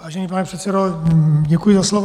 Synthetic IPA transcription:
vaːʒɛniːpanɛpr̥ɛt̪sɛdoɟɛkujizaslɔʋ

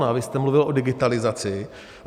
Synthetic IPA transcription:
navɪst̪ɛmluvɪlʔo̞dɪɡɪt̪alɪzat͡sɪ

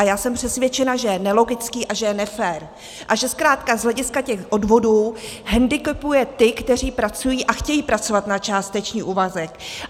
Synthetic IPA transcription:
ajaːsɛmpr̥ɛsvjɛt͡ʃɛnaʒɛjɛnɛlo̞ɡɪt͡skiːʔaʒɛjɛnɛfɛːɾ | ʔaʒɛskɾaːt̪kazɦlɛɟɪskacɛxʔo̞dvo̞duː | ɦɛndɪkɛpujɛt̪ɪkt̪ɛr̝iːpɾat͡sujiːʔaxcɛjiːpɾat͡so̞vat̪nat͡ʃaːst̪ɛt͡ʃɲiːʔuːvazɛk

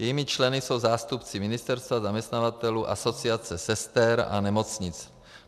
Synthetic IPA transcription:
jɛjiːmɪt͡ʃlɛnɪso̞wzaːst̪upt͡sɪmɪnɪst̪ɛɾst̪vazamɲɛst̪navat̪ɛluːʔaso̞t͡siat͡sɛsɛst̪ɛɾa̰nɛmo̞t͡sɲɪt͡s

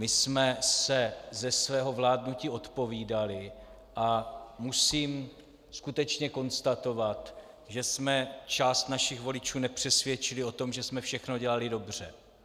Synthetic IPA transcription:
mɪsmɛsɛzɛsvɛːɦo̞vlaːdnuciːʔo̞t̪po̞viːdalɪ | ʔamusiːm | skut̪ɛt͡ʃɲɛko̞nst̪at̪o̞vat̪ | ʒɛsmɛt͡ʃaːst̪naʃɪxvo̞lɪt͡ʃuːnɛpr̝̥ɛsvjɛt͡ʃɪlɪo̞t̪o̞mʒɛsmɛfʃɛxno̞ɟɛlalɪdo̞br̝ɛ

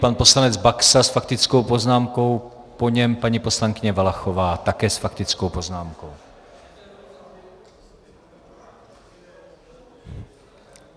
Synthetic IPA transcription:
panposlanɛd͡zbaksasfak̚t̪ɪt͡skowpoznaːmko̞wpoɲɛmpaɲipo̞slaŋkɪɲɛvalaxovaːt̪akɛːsfakt̪ɪt͡skowpoznaːmkow

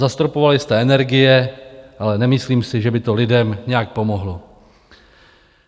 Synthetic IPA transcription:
zast̪ɾopo̞valɪst̪ɛɛnɛɾɡɪjɛʔalɛnɛmɪsliːmsɪʒɛbɪt̪o̞lɪdɛmɲɛjak̚po̞moɦlo

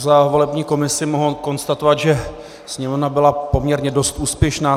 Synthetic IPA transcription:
zavo̞lɛbɲiːko̞mɪsɪmoɦoko̞nst̪at̪ovad̪ʒɛ | sɲɛmovnabɪlapo̞mɲɛɾɲɛdo̞st̪ʔuːspjɛʃnaː

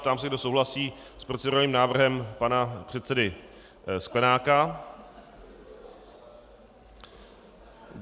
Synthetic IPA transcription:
t̪aːmsɛɡdo̞sowɦlasiː | spɾot͡sɪduɾaniːmnaːvr̩ɦɛmpanapr̝̥ɛt̪sɛdɪ | sklɛnaːka

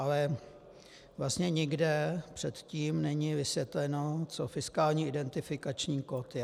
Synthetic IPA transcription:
ʔalɛ | vlast̪ɲɛɲɪɡdɛpr̝̥ɛt̪ciːmnɛɲɪvɪsjɛt̪lɛno̞t͡sofɪskaːlɲiːʔɪdɛnt̪ɪfɪkat͡ʃɲiːkot̪jɛ

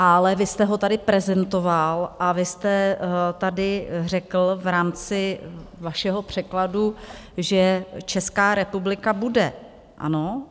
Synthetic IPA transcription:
ʔalɛvɪst̪ɛɦo̞t̪adɪpɾɛzɛnt̪o̞valʔavɪst̪ɛt̪adɪr̝ɛkl̩vɾaːmt͡sɪvaʃɛɦo̞pr̝̥ɛkladuʒɛt͡ʃɛskaːɾɛpublɪkabudɛ̰ | ʔa̰no̞

